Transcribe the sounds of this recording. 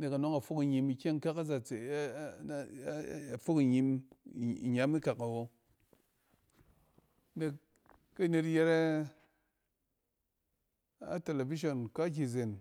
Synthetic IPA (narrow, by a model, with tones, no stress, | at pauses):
ne˨ka˨no˦ŋa˨fo˦ki˨ɲi˧mi˧kʲe˦ŋ˦ka˦ka˦za˨t͡se˨˦˨ | fo˦ki˨ɲi˧m˨ | ḭ˨ɲa˦mi˦ka˨ka˨wo˦ | ne˨kː | a˦ne˧tje˧ɾe˦ | a̰˦te˨le˨vi˦ʃ̬o˨nka˦k̬ʲi˨ze˨n